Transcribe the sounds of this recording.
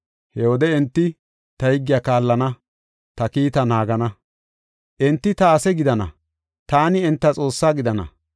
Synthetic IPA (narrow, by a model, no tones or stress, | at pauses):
hɛwɔd̪ɛɛnt̪ːɪ | t̪ɐhɪɡːɪjaːkaːlːɐnɐ | t̪ɐkiːt̪ɐnaːɡɐnɐ | ʔɛnt̪ːɪt̪ɐːsɛɡɪd̪ɐnɐ̰ | t̪aːnɪɛnt̪ːɐt͡sʼo̞ːsːaːɡɪd̪ɐnɐ̰